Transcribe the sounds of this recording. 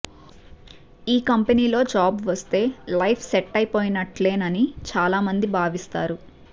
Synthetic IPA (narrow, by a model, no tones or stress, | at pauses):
iːkɐmpeniːlo̞ːd͡ʒaːbʋɐst̪e̞ːlɐjpʰsɛʈːɐjpo̞ːjinɐʈle̞ːnɐnit͡ʃaːlaːmɐnd̪ibʱaːʋist̪a̰ːɾu